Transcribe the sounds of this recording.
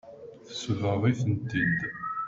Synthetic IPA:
θə̥səvəʁˤiθənt̪ind̪

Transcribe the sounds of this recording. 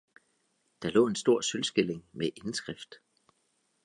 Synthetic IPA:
d̥ɑ̈lɔ̰ːe̝nsd̥o̝ɐ̰sølsɡ̥e̝le̝ŋmeʔe̝nsɡ̥ʁafd̥

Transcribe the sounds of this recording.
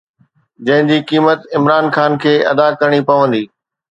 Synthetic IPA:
d͡ʑɐ̃ɦɪ̃ɲd͡ʑiːkiːmət̪ɪmɾaːnxaːnkʰeːʔɐ̰d̪akɐɾɽ̃ipɐʋə̃nd̪iː

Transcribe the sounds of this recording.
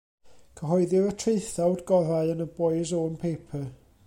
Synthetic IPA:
kʰəɦɔɨðɪɾətʰreɨθawdɡɔɾaɨənəboɨzonpʰeːpʰə

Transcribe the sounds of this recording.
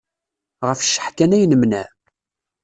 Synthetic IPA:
ʁəfʃːə̥ħkænæjnəmnæ̰

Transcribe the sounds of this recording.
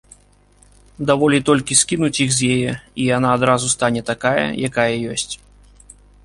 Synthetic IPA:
d̪avɔlʲit̪ɔlʲkʲiskʲinut͡sʲixzʲjɛjɛijanaːd̪ɾazust̪anʲɛt̪akajɐ̰jakajɐjɔsʲt͡sʲ

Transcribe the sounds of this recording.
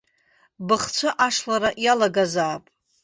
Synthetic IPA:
bɨχt͡sʷʰaʔaʂlaɾaʔjalaɡazaːpʼ

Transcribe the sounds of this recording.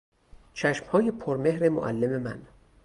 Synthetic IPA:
t͡ʃʰæʃmhɒːjepʰoɾme̞hɾemo̰ʔæ̰lːe̞memæ̰n

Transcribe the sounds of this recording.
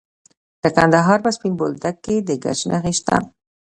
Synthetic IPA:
d̪̥əkand̪aɦɑɾpəspinbold̪akːed̪əɡa̰ʃnʔaxiʃt̪a̰

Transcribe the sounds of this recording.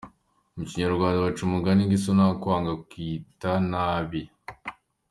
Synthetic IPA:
omuciɲaɾɡwaːndawat͡ʃumuɡaniŋɡisonakwaːŋɡakitanaβi

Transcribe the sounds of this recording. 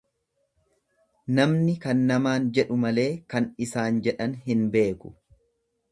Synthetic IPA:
nɐmnɪkɐnːɐmaːnd͡ʒɛᶑʊmɐle̞ːkɐnɪsaːnd͡ʒɛᶑɐnɦɪnbe̞ːkʊ̥

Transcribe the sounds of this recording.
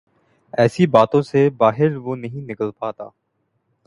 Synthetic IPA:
ɛːsibaːt̪õsebaːɦɪɾʋonɐɦĩnɪkəlpaːt̪a̰ː

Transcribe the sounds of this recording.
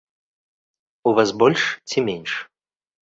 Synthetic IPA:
uvasbɔlʲʂt͡sʰʲimʲenʲʂ

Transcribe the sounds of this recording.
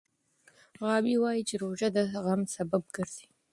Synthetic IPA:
ʁɑːbiːwaːjit͡ʃʼiɾoːʒɐd̪ɐʁɐmsɐbɐb̚ɡɨrzi̥ː

